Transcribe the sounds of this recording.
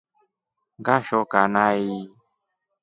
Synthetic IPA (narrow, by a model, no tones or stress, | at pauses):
ŋɡaʃɔkanai